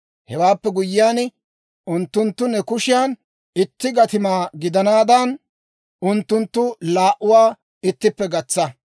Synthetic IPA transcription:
hɛwaːpːɛɡʊjːɪjaːn | ʊnt̪ːʊnt̪ːʊnɛkʊʃɪjaːn | ɪt̪ːɪɡɐt̪ɪmaːɡɪd̪ɐnaːd̪ɐn | ʔʊnt̪ːʊnt̪ːʊlaːʔʊwaː | ɪt̪ːɪpːɛɡɐt͡sːɐ

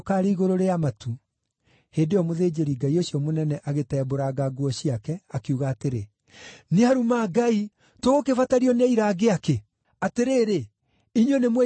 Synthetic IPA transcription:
kaːɾeiɣoɾoɾeamatu | heːdeɔmoðeːd͡ʑeɾiɡaioɕiɔmonɛnɛʔaɣetɛːboɾaɡaɡwɔɕiakɛakiuɣaːteɾe | neaɾumaːɡai | tookefataɾiɔnɛiɾaːɡeake | ateɾeːɾe | iɲonemwɛ

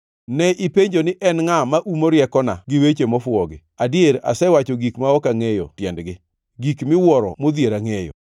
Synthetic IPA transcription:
nɛʔipeɲd͡ʒonɪʔɛnŋamaʔumoɾjɛkɔnaɡɪwet͡ʃemɔfʊɔɡɪadjeɾa̰sɛwat͡ʃɔɡikmaɔkaŋejɔ̰tjɛndɡɪ | ɡikmɪwɔɾɔ̰mod̪jeɾaŋejɔ̰

